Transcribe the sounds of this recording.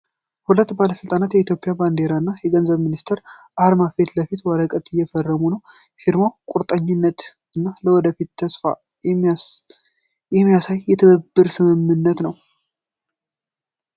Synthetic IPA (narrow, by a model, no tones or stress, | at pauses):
hulət̪ːbaləsɨlt̪ʼanat̪jɛit̪jo̞pʼɪjaband̪e̞ɾanːajɛɡənzəβminist̪ʰəɾʔaɾmafet̪ləfit̪waɾəkʼət̪ɨjːɛfərːəmunəw | fiɾmawkʼuɾt̪ʼəɲːɪnːət̪ | ɨnːaləwɔd̪əfit̪ʰːəsfa̰ | jɛmːijasajːɛt̪ʰəβəbːɨɾsɨmɨmːɨnːət̪nəw